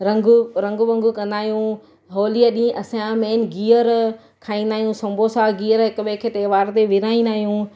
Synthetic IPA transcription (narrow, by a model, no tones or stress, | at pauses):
ɾɐ̃ŋɡɾɐ̃ŋɡʋɐ̃ŋɡʊkɐ̃nd̪aːɦijũ | ɦoːliəɗĩʔɐsãmeːnɡiːəɾ | kʰaːĩːnd̪aːɦijũsɐ̃mbʱoːsaɡiːəɾɦɪkʊɓekʰet̪eːʋaːɾt̪eʋɪɾaːĩnd̪aːɦijũ